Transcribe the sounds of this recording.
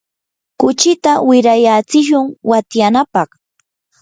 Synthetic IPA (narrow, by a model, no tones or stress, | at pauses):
kʊt͡ʃɪt̪awɪɾajat͡sɪʃʊŋwat̪janapɑχ